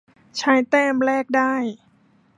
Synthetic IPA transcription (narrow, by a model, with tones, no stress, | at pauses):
t͡ɕʰa˦˧˥jt̪ɛː˥˩mɾɛː˥˩k̚daː˥˩j